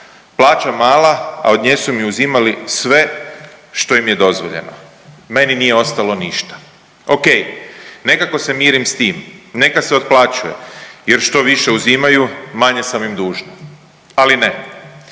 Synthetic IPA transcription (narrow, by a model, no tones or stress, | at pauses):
plˠaːt͡ʃamaːlaa̰o̞d̪ɲeːsumiuzimalisʋe̞ʃt̪o̞imje̞d̪o̞zʋo̞̰ʎe̞̰no̰ | me̞ninije̞o̞st̪alo̞niʃt̪ḁ | o̞kejne̞kako̞se̞miːɾimst̪iːmne̞kaseo̞t̪̚plˠat͡ʃuje̞̰jeɾʃt̪o̞ʋiʃe̞uzimajumaɲesamimd̪uːʒna | aline